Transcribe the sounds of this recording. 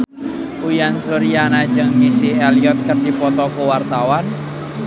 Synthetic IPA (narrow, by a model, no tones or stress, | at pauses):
ʔujansuɾijanḁd͡ʒɨŋmisiɛliɔt̪̚kərdipɔt̪ɔkowart̪awan